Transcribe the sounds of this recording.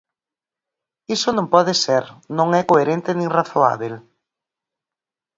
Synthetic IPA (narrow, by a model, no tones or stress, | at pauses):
isonõmpɔðɪseɾnõŋɛkoeɾent̪ɪnĩŋraθoa̰βel